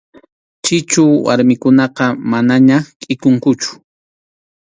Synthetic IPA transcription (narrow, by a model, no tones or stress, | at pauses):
t͡ʃɪt͡ʃʊwa̰ɾmɪkʊnɑqɑmanaɲakʼɪkʊŋkʊt͡ʃʊ̥